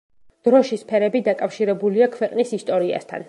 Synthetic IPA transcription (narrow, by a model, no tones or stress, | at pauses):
d̪̥ɾɔʃispʰɛɾɛbid̪akʼafʃiɾɛbuliakʰvɛqʼnisist̪ʼɔɾia̰st̪ʰa̰n